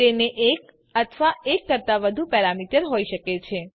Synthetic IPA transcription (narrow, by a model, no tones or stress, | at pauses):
eneʔek̚ | ət̪ʰʋaekːəɾt̪aʋəd̪ʱupɛɾamiʈəɾɦoiʃəket͡ʃʰe